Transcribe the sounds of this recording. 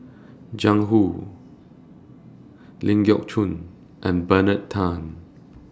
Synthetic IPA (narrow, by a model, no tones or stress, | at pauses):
d͡ʒãŋɦu | lĩŋɡiɔk̚t͡ʃʰũn | ʔɛ̃nbənətʰːãn